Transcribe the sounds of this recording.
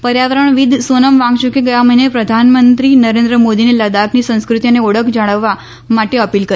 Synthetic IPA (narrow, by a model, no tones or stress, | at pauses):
pəɾjaʋəɾəɳ̃ʋid̪ʱsonəmʋãŋɡt͡ʃukeɡəjaməɦinepɾəd̪ʱanmənt̪ɾinəɾẽnd̪ɾəmod̪ineləd̪aknisə̃nskɾut̪ianeɔɽəkʰd͡ʒəɽ̃əʋːa | maʈeəpilkəɾ